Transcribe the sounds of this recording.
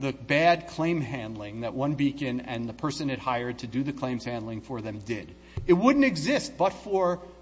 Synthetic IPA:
ðɨbæd̚kʰl̥ẽɪ̃mɦæ̃ndˡlɪ̃ŋðɨʔ̚wʌ̃nbikɨ̃nɨ̃nðɨpʰɜ˞sɨ̃nɨd̚haɪə˞d̚tʰɨdɨðɨkʰl̥ẽɪ̃mz̥hæ̃ndlˠɪ̃ŋfə˞ðɨ̃mdɪɾ | ɨt̚wʊdⁿn̩tɨɡzɪst̚b̥ʌtfə˞

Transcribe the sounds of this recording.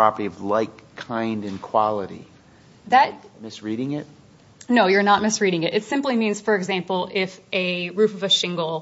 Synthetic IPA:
pʰɹ̥ɑpə˞ɾiʌvlaɪkʰãɪ̃ndɨ̃nkʰw̥ɑlˠəɾḭ | ðɨt̚mɪsɹiɾɪ̃ŋɪt̚ | noʊjə˞nət̚mɪsɹiɾɪ̃ŋɨɾɨtsɪ̃mplimĩnz̥fə˞ɨɡzæ̃mpl̩ˠɪfʔɨɹʉfʌvɨʃɪ̃ŋɡl̩ˠ

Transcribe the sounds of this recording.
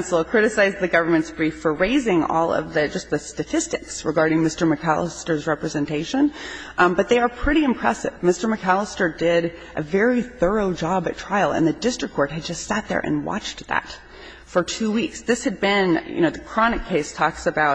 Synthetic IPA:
nsl̩ˠkʰɹ̥ɪɾɨsaɪzðɨɡʌvə˞mɨ̃ntsb̥ɹifə˞ɹeɪzɪ̃ŋɔ̰lˠʌ̰vðɨd͡ʒʌst̪̚ðɨstɨtʰɪstɨksɹɨ̰ɡɑɹɾɪ̃ŋmɪstə˞mɨkʰæ̰lˠə̰stə˞zɹɛpɹɨzɨ̃ntʰeɪʃɨ̃n | bʌt̪̚ðeɪə˞pʰɹ̥ɪɾiɨ̃mpʰɹ̥ɛsɨ̰vmɪstə˞mɨkʰælˠəstə˞dɪɾʔɨ̰vɛɹiθɜ˞oʊd͡ʒɑbɨtʰɹ̥aɪl̩ˠə̰̃nðɨdɪstɹ̥ɨkʰːɔɹt̚ɦɨd̚d͡ʒʌstsæt̪̚ðə̰˞ʔɨ̰̃nwɑ̰t͡ʃðæ̰t | fə˞tʰʉwiksðɪshɨd̚bɪ̃njɨ̰noʊðɨkʰɹ̥ɑnɨkʰːeɪstʰɔksɨbaʊt̚

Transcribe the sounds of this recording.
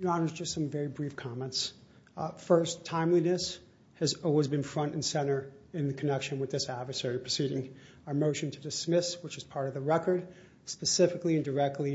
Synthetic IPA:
jɨɑnə˞zd͡ʒʌstsʌ̃ɱvɛɹibɹifkʰɑmɛ̃nts | fɜ˞stʰãɪ̃mlinɨs | hɨzɔlˠwizbɨ̃nfɹʌ̃nʔn̩sɛ̃ɾ̃ə˞ɨ̃nðɨkʰɨnɛkʃɨ̃nwɨðɪsædvə˞sɛɹipʰɹ̥ɨsiɾɪ̃ŋ | aə˞moʊʃɨ̃ntʰɨdɨsmɪswət͡ʃɨz̥pʰɑɹɾʌvðəɹɛkə˞d̥̚ | spɨsɪfɨkliɨ̃ndə˞ɛk̚tʰˡli

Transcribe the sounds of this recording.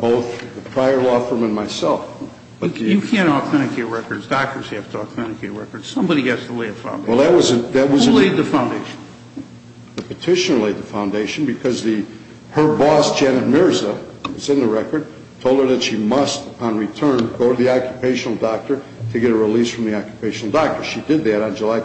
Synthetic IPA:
b̥oʊθðɨpʰɹ̥aɪə˞lɔfə˞mɨ̃nmaɪsɛlˠf | b̥ʌt̪̚ɨjɨkʰæ̃ñɔkʰmɛ̃nɨkʰetɹɛkə˞dzdɑk̚tə˞z̥hæftʰəɔkmɛnɨkʰeɪtɹɛ̰kə˞d̥sʌ̃mbɑɾiɡætstʰəleɪɨfã̰ʊ̃ndwɛlˠðɨt̚wʌzɨðɨt̚wʌzzleɪd̪̚ðɨfãʊ̃ndeɪʃn̩ | ðɨpɨtʰɪʃɨ̃n̩leɪd̪̚ðəfãʊ̃ndeɪʃɨ̃n̩bɨkʰʌzðɨ | hə˞bɔsd̥ʒ̥ænɨt̚mɪɹzəwʌzɨ̃nðɨɹɛkə˞d̚ | tʰoʊlˠdə˞ðɨtʃimʌstəpʰɑ̃nɹitʰɜ̃˞nɡoʊɾɨðiɑkjɨpʰeɪʃnl̩ˠdɑk̚tə˞ | ɾɨɡɛɾəɹilisfɹʌ̃mðiɑkjɨ̥pʰeɪʃn̩l̩ˠdɑk̚tə˞ʃidɨd̪̚ðɨɾn̩d͡ʒəlaɪ

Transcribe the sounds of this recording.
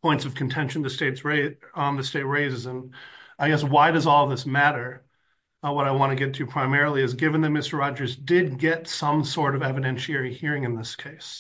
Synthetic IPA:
pʰɔ̃ɪ̃ntsʌv̥kʰɨ̃n̩tʰɛ̃nʃn̩ðɨsteɪtsɹeə̃nðɨsteɪt̚ɹeɪzɨzə̃naɪɡɛswaɪɾʌzɔlˠðɪsmæɾə˞ | wʌɾaɪwɑ̃ɾ̃ɨɡɛtʰɨpʰɹ̥aɪmɛɹl̩ˠiɨzɡɪvɨ̃nðɨt̚mɪstə˞ɹɑd͡ʒə˞zdɪd̚ɡɛtsʌ̃msɔɹɾʌvɛvɨɾɛ̃nʃiɛɹihiɹɪ̃ŋɨ̃nðɪskʰeɪs

